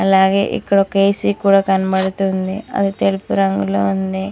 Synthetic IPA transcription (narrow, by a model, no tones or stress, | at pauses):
ɐlːaːɡḛʔḭkːɐɽokeːsikuːɽɐkɐnbɐɽut̪ːuund̪iɐ̰d̪ut̪elpuɾɐŋɡuluɐnd̪e